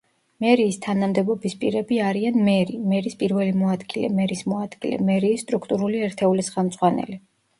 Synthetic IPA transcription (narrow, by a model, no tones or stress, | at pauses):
mɛɾiːst̪ʰanamd̪ɛbɔbispʼiɾɛbiaɾianmɛɾimɛɾispʼiɾvɛlimɔad̪ɡilɛ̰mɛɾismɔad̪ɡ̥ilɛ̰mɛɾiːsːt̪ʼɾukʰt̪ʼuɾuliɛɾt̪ʰɛulisχɛmd̪zʼʁwanɛ̰li